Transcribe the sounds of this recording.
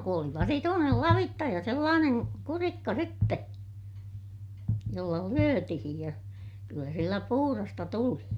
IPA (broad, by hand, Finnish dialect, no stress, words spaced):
ku oli ʋɑsituːnel lɑʋitːɑ jɑ selːɑːneŋ kurikːɑ sitːe jolːɑ lyøtihij jɑ kylːæ silːæ puhurɑstɑ tuli